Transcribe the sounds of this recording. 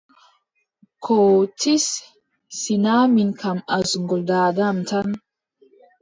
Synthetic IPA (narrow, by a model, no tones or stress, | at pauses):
kʰotʰisː | inaminkʰamazŋɡɔldaːdamtan